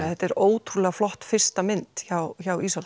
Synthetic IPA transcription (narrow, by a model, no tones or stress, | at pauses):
θhɛt̪ɛɾoːwt̪ʰɾulɛɣaflɔht̪fɪr̥st̪amɪnt̪çawçaːwiːsal